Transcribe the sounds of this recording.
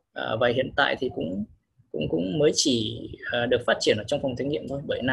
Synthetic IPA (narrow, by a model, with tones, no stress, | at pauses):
ʔə̰ː˧˩vaː˨˩hḭ˧˨ənt̪a̰ː˧˨jt̪ʰi˨˩kʊ̰˧˥ŋ͡m | kʊ̰˧˥ŋ͡mkʊ̰˧˥ŋ͡mməː˨˦jt͡ɕi˧˩aː˨˩ɗɨ˨˩ək̚faː˦˥t̚t͡ɕi˧˩ənʔəː˧˩t͡ɕɔ˧wŋ͡mfɔ˨˩wŋ͡mt̪ʰa˨˦ŋḭ˧˨əmt̪ʰo˧jɓəː˧˩jna˨˩